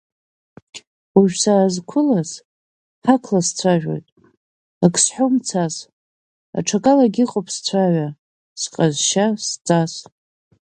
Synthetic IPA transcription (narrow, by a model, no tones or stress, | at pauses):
uʒᶣsaːzkʷʰʊlas | ħakʰlast͡sʷʰaʒᶣo̞̰jtʼ | akʼʰsħomt͡sʰas | a̰ʈ͡ʂʰakʼalaɡʲiqʼopʼst͡sʷʰaʕʷa | sqʼazʃast͡sʼas